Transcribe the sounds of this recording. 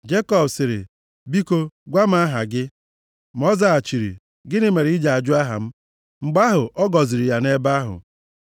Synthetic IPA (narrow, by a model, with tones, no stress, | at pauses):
d͡ʒe˦kɔ˦bsɪ˨ɾɪ̰˨ | bi˦ko˦ɡʷa˦m̩˦a˦ɦa˨ɡɪ˦ | m˦ɔ˦za˦˨a˨t͡ʃi˨ɾḭ˨ | ɡɪ˦nɪ˦˨me˨ɾi˦d͡ʒa˨a˨d͡ʒʊ˦a˦ɦa̰˨m̩˦ | ŋ͡m̩˨ɡ͡ba˦ɦʊ˨ʔɔ˦ɡɔ˨zɪ˨ɾi˨ja˨ne˦ba˦ɦʊ̰˨